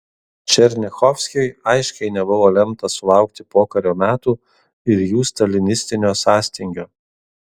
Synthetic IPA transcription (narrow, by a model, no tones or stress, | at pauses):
t͡ʃʲɛɾʲnʲɪxɔfʲsʲkʲɪɪɐɪʃʲkʲɛɪnʲɛbʊʋoːlʲɛmt̪ɐsʊlˠɑˑʊkt̪ʲɪpoːkɐɾʲoːmʲæːt̪uː | ɪɾjuːst̪ɐlʲɪnʲɪsʲt̪ʲɪnʲoːsɑːsʲt̪ʲɪŋʲɡʲoː